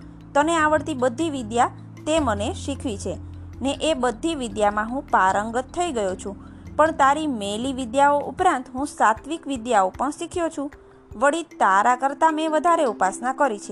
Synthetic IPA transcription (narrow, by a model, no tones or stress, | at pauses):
t̪əneaʋəɽt̪ibəd̪ʱːiʋɪd̪ja | t̪eməneʃikʰʋit͡ʃʰe | neʔebəd̪ʱːiʋid̪jamãɦũpaɾəŋɡət̪ʰːəiɡəjot͡ʃʰũpəɳt̪aɾimeliʋid̪jaoʔupɾãnt̪ɦũsat̪ʰʋikʋid̪jaopəɳʃikʰjot͡ʃʰũ | ʋəɽit̪aɾakəɾt̪ameʋəd̪ʱaɾeupasnakəɾit͡ʃʰe